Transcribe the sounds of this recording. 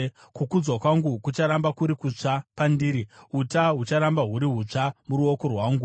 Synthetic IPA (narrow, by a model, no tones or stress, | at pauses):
kukud͡zwakwaŋɡukut͡ʃaɾambakuɾikut͡ʂapandiːɾiutaɦut͡ʃaɾambaɦuɾiɦut͡ʂamuɾuoko̞rwaːŋɡu